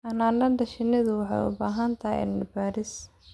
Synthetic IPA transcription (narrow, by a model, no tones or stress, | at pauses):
ʔɐnaːnɖɐndɐʃɪnːɪðʊwɑħɑ̰jʊ̰baːɦɐnt̪ʰɐʔɛ̰nɐbaːɾɪs